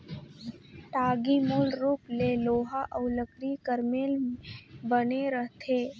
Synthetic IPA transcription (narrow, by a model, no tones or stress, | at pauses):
ʈaːɡimoːlɾuːpleloːɦaʔəʊləkɾikəɾmeːl | bəneɾət̪ʰeː